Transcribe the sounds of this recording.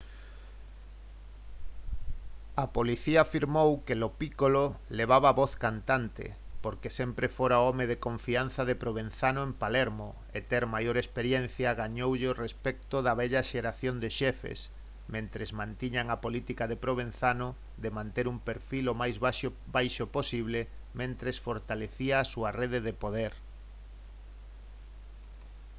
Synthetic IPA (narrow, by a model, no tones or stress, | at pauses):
ɐpoliθiaːfiɾmowkelopikololeβ̞aβaβɔθkant̪ant̪ḛpoɾkesempɾefoɾaɔmeðekoɱfianθɐðepɾoβenθanoempalɛɾmo | et̪eɾmajoɾespeɾjɛn̟θjɐɣaɲowʎeorespɛk̚t̪ʊðɐβɛʎaʃeɾaθjond̪eʃɛfḛs | mẽnt̪ɾezmãnt̪iɲaŋapolit̪ikaðepɾoβẽnθanʊ | ðemãnt̪eɾumpeɾfilomajza | bajʃoposiβle | mẽnt̪ɾesfoɾt̪aleθiaːsuɐreðeðepoðeɾ